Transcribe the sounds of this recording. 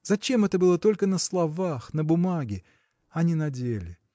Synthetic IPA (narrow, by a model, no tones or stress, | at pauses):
zɐt͡ɕe̞mɛt̪əbɨlˠət̪o̞lʲkənəslˠɐvaxnəbʊmaɡʲɪ | ɐnʲinɐdʲelʲɪ